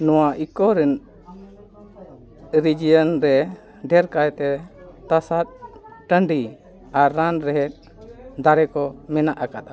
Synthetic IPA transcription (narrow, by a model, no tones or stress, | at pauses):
nɔwaʔikɔɾɛn | ɾid͡ʒijənɾɛ | ɖɛɾkajt̪ɛt̪asat̪̚ʈəɳɖi | aɾːanɾɛɦɛt̪̚ˀ | d̪aɾɛkɔmɛnaʔakat̪̚a